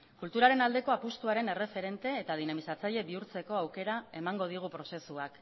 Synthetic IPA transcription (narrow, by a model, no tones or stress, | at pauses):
kult̪uɾaɾe̞nald̪e̞ko̞apust̪uaɾe̞ne̞re̞fe̞ɾe̞nt̪e̞ːt̪að̞inamisat͡saʎe̞βiuɾt͡se̞ko̞awke̞ɾae̞maŋɡo̞ð̞iɣ̞upɾo̞se̞suak